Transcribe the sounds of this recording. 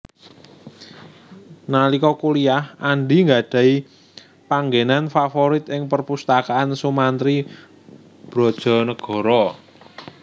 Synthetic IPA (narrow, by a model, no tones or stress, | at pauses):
nalikɔkuliahaɳɖiŋɡaɖ̥ä̤i | paŋɡenanfafɔɾɪt̪ɪŋpərpust̪akaansumant̪ɾi | b̥ɾɔ̤d̥ʒ̥ɔ̤nəɡ̥ɔ̤ɾɔ